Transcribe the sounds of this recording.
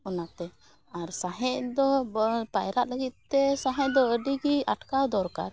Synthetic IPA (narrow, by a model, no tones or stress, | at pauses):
ɔnat̪ɛ | aɾsaɦɛ̃ʔd̪ɔpajɾaʔ̪ləɡit̪̚t̪ːɛsaɦɛ̃ʔd̪ɔəɖiɡiaʈkad̪ɔɾkaɾ